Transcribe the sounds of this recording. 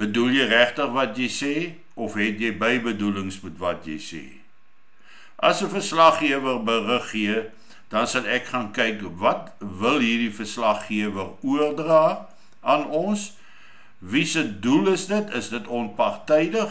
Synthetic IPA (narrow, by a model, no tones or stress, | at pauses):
b̥ədulˠjəjræχtəχvɐtjəjsɛː | ɔfɦɛtjəjbəjbəduləŋsmutvɐtjə̰jsɛ̰ː | ʔɐsəfərslɐχːiəvərbərəχːiə | d̥ɐnsɐlˠɛkχɑːnkɛjkvɐtvəlˠɦiːrdifərslɐχːiəvəruərdrɑː | ʔɐnɔns | visəduləsdətʰəsdətɔnpɐrtɛjdəχ